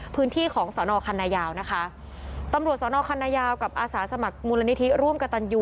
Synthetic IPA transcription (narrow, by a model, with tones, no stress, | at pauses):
pʰɯː˦˥nt̪ʰiː˥˩kʰɔː˩˦ŋsɔː˩˦nɔː˧kʰa˧nːaː˧jaː˧wna˦˥kʰa˦˥ | t̪a˧mɾu˨˩ət̪̚sɔː˩˦nɔː˧kʰa˧nːaː˧jaː˧wka˨˩p̚ʔaː˧saː˩˦sa˧ma˨˩k̚muː˧la˧ni˦˥t̪ʰi˦˥ɾu˥˩mka˧t̪a˧njuː˧